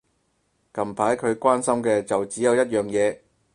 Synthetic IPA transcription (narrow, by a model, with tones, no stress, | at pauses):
kɐ˨mpʰaː˨˥jkʰɵ˨˧ɥkʷaː˥nsɐ˥mkɛː˧t͡sɐ˨wt͡siː˨˥jɐ˨˧wjɐ˥t̚jœː˨ŋjɛː˨˧